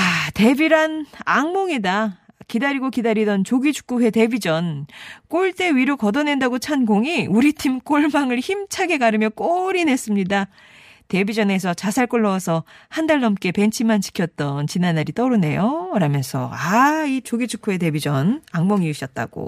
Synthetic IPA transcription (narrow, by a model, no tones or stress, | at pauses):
ate̞biɾanaŋmoŋida | kidaɾiɡokidaɾidʌnt͡ɕoɡit͡ɕʰu̥k͈uɸwe̞te̞bid͡ʑʌnk͈oɭt͈e̞ɥiɾokʌdʌne̞ndaɡot͡ɕʰanɡoŋiuɾitʰimk͈oɭmaŋɯɭçimt͡ɕʰaɡe̞kaɾɯmjʌk͈oɾine̞s͈ɯmɲida | te̞bid͡ʑʌne̞s̬ʰʌt͡ɕasʰaɭk͈oɭːʌsʰʌhandaɭːnʌmk͈e̞pe̞nt͡ɕʰimant͡ɕi̥kʰjʌt̚t͈ʌnt͡ɕinanaɾit͈ʌɾune̞joɯɾamjʌnsʰʌ̰ait͡ɕoɡit͡ɕʰu̥k͈uhe̞te̞bid͡ʑʌnaŋmoŋiuɕ͈ʰʌt̚t͈a̰ɡ̥o̰